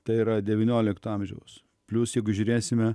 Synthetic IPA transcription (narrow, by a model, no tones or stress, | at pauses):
t̪ɐɪiɾɐd̪ʲɛʋʲɪnʲoːlʲɪkt̪ʊɐmʲʒʲɛ̰ʊs | pʲlʲʊsjɛɪɡʊʒʲʊɾʲeːsʲɪmʲɛ